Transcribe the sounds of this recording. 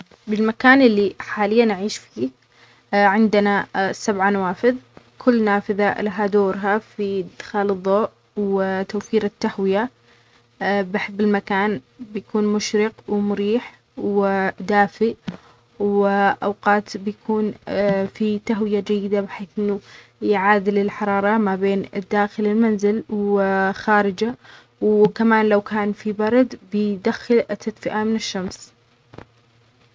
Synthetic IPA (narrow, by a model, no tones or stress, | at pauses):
bɪlmakaːnʔɪlːiħaːlɪjːanʕiːʃfiː | ʕɪnd̪ɪnasːabʕanawaːfɪðˤ | kʰʊlːnaːfɪðalaɦad̪oːɾɦafid̪xaːlɨðˤːoːʔ | wɪt̪awfiːɾɪt̪ːahwɪja | bɪħɪbːɪlmakaːnbɪjkuːnmʊʃɾɪqwmʊɾiːħ | wɪd̪aːfɪʔ | wɪʔawqɑːt̪bɪjakʰuːnfit̪aɦwɪjad͡ʒajːɪd̪abɪħeːθʔɪnːu | jʕaːd̪ɪlɪlħɑɾˤɑːɾˤɑmabeːnɪd̪ːaːxɪlɪlmanzɪlwxaːɾɪd͡ʒa | wkamaːnlawkaːnfibɑɾˤɑd̪bɪd̪axːɪlʔɪt̪ːad̪fɪʔamɪnɪʃːams